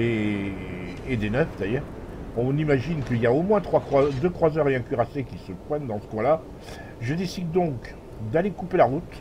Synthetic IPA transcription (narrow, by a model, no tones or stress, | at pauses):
e | ed̪enœft̪ajœʁ | ɔ̃nimaʒinkəiljaomwɛ̃t̪χwakχwad̪økχwazœʁeɛ̃kʲyʁasekʲisəpχɛnd̪ɑ̃sə̥kwɛ̃la | ʒəd̪esid̪ːɔ̃k | d̪alekupelaʁut̪